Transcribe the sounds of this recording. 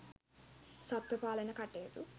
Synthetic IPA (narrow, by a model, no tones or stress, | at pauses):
sɐt̪wɐpaːlɐjnɐkɐʈːeːʈu